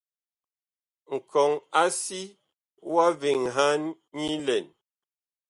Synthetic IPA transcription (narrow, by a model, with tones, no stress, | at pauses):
ŋ̩˨kʰɔ˨ŋa˦si˦ | wa˦vi˨ŋɦa˦n | ɲi˦lɛ˨n